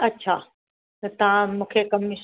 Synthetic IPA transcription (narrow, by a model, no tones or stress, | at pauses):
ɐtːɕʰaː | ɐt̪ɐʋ̤ãmũːkʰekɐmɪʃ